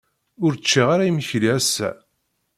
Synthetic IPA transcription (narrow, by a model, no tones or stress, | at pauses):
ʊɾt͡ʃːiʁaɾajiməçliæsːæ̰